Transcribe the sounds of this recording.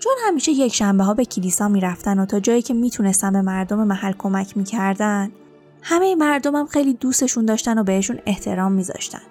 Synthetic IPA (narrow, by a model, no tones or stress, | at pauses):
t͡ʃʰo̞nhæmiːʃeje̞cʰʃæmbeɦɒːbe̞cʰilisɒːmiːɾæft̪ænot̪ʰɒːd͡ʒɒːjiːcʰe̞miːt̪ʰune̞st̪ænbe̞mæɾd̪o̞me̞mæhælːkʰo̞mæcʰmiːcʰæɾd̪æn | hæme̞jemæɾd̪o̞mhæmxejliːd̪ust̪e̞ʃund̪ɒːʃt̪æno̞be̞he̞ʃune̞ht̪ʰe̞ɾɒːmːiːzɒ̰ʃt̪æ̰n